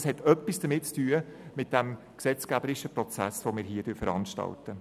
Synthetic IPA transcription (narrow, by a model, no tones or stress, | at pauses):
shɛtœpːisd̥əmɪt̚t͡styːəmɪt̚d̥ɛm | ksɛt͡skæbəɾɪʃəpɾɔt͡sæsʋomɪːɾɦiːəɾdøːɾfəɾɑ̰nʃtɑ̰ltə